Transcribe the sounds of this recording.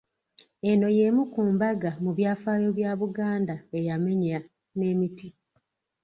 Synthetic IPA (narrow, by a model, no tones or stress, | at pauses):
e̞no̞je̞mukuːmbaɡamuβjaːfaːjo̞βjaːβuɡaːndaejame̞ɲa | ne̞ːmiti